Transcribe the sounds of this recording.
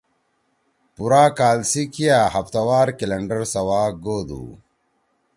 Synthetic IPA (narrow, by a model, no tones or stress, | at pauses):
puɾaːkaːlsikijahɐft̪ɐwaːɾkilɐɳɖəɾsɐwaːɡoːd̪ṵ